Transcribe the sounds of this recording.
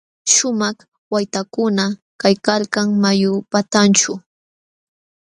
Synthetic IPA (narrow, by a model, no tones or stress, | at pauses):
ʃʊmɑχ | wajt̪akʊna | kajkalkaŋmajʊpat̪ant͡ʃʊ